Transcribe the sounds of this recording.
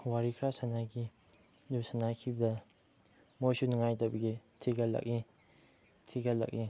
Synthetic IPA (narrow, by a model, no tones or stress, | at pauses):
waɾikʰɾasanaɡi | dubsanakʰibɐdɐ | mosunŋajtabɐɡitʰiɡala̰k̚i | tʰiɡala̰k̚i